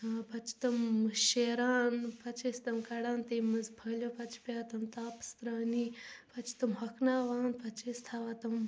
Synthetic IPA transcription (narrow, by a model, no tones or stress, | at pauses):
pɐt͡ʃʰi̥t̪ɐmʃeːɾaːnpɐt͡ʃʰest̪ɐmkɐɽaːnt̪eːmɨzbʱɐlʲjoːpɐt͡ʃʰi̥pʲaːt̪ɐmt̪aːpst̪ɾaːnipɐt͡ʃʰi̥t̪ɐmɦɐkʰnaːʋaːnpɐt͡ʃʰeːst̪ʰaːʋaːt̪ɐm